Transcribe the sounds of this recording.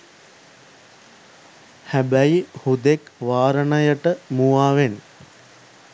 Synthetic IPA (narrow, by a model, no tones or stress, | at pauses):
hæbæjihud̪ekʋaːɾənəjəʈəmuʋaːʋen